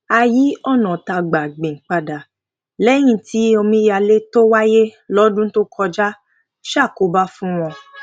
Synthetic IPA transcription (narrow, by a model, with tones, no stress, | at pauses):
a˧ji˨˦ɔ˦˨nɔ̃˨ta˧˨ɡ͡ba˨ɡ͡bẽ˨k͡pa˧da˨ | lɛ˦j̃ĩ˦˧ti˨˦o˧mĩ˧˦ja˧le˦to˦wa˦je˦lɔ˦dũ˦to˦kʰɔ˧d͡ʒa˦ | ʃa˦˨ko˨˦ba˦fũ˦w̃ɔ̃˧